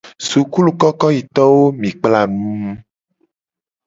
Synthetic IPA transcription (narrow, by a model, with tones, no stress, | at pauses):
su˨ku˦lu˨kɔ˦kɔ˦ji˨t̪ɔ˦wo˦mĩ˨k͡pla˦˨ñũ˦m˦